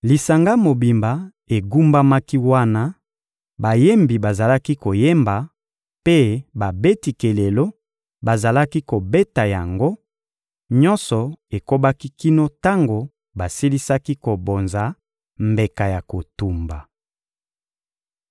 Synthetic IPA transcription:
li˨sa˨ŋɡa˦mo˨bi˨mba˨ | e˨ɡu˦mba˦ma˦ki˦wa˦na˦ | ba˨je˦mbi˨ba˨za˨la˦ki˦ko˨je˦mba˨ | pe˦ba˨be˦ti˨ke˨le˨lo˦ | ba˨za˨la˦ki˦ko˨be˦ta˨ja˨ŋɡo˦ | ɲɔ˦nsɔ˨e˨ko˦ba˦ki˦ki˦no˦ta˦ŋɡo˨ | ba˨si˦li˦sa˦ki˦ko˨bo˨nza˨˦ | mbe˨ka˨ja˨ko˨tu˨mba˨

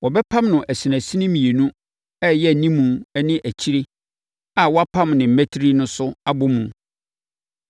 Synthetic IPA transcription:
wɔ˨bɛ˦pʰã˦mnʊ̃˨ʔæ˨si˨næ̃˨si˦nɪ̃˦mĩ˨e˨nũ˦ | ɛ˦jɛ˦˨nĩ˦mːũ˨ɛ˦nɪ̃˦ʔæ˨t͡ɕʰi˦ɾe˦ | a˨wɔ˦a˦pʰã˦mnɪ̃˨m̩˨˦æ˦tʰɾi˦nʊ̃˦sʊ˦a˦bʊ˦mũ˨

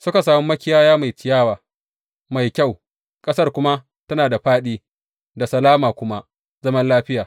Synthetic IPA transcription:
sʊ˦ka˨s̬aː˨mu˦mɐ˦kʲɪ˦jaː˦jaː˦ma˨jtɪ˨jaː˦waː˨ | ma˨jkʲa˦˨w | kʼɐ˦sɐ˦rkʷʊ˦ma˦ | tɐ˦naː˨da˨ɸaː˦ɗiː˦ | da˨sɐ˨laː˦maː˨kʷʊ˦ma˦ | zɐ˦mɐ˦nlaː˦ɸɪ˦jaː˨

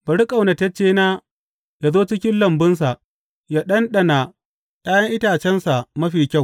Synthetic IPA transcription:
b̥ɐ˨ɽɪ˦kʼa˨wnɐ˨tɐ˦t͡ʃːeː˦naː˦ | jaː˨zoː˦t͡ʃɪ˦kʲɪ˦nlɐ˨mbɪ˦ns̬a˨ʔ | jaː˦ɗɐ˦nɗɐ˨na˨ | ɗaː˦jɐ˦ŋʔɪ˦taː˨t͡ʃɛ˦nsa˨mɐ˦ɸiː˨kʲa˦˨w

